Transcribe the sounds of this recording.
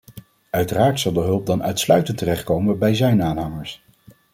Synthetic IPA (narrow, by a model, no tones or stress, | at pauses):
œɥtəraːɹtsɑlˠdəɦɵlˠp̚dɑnœ̰ɥtslœɥtəntərɛχt̚kowməbɛjzɛɥnaːnɦɑŋəɹs